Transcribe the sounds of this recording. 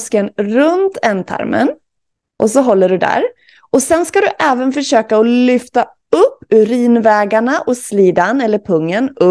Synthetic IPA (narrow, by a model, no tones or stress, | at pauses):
skənɾɵnt̪ʰɛnt̪ʰa̰ɾmə̰n | ʔɔsɔɦɔlːəɖɵd̪æ̰ɾ | ʔɔsɛnskad̪ɵʔɛːvənfœʂøːkaɔlʏft̪a | ɵpːʉɾiːnvɛːɡaɳaʔɔsliːd̪anɛlːəɾpʰɵŋːənɵ